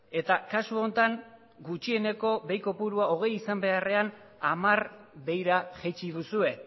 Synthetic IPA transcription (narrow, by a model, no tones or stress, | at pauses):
e̞t̪akasuo̞nt̪aŋ | ɡut͡ʃie̞ne̞ko̞βe̞jko̞puɾuao̞ɣ̞e̞jisambe̞are̞an | amaɾβe̞jɾaʝet͡ʃiðusue̞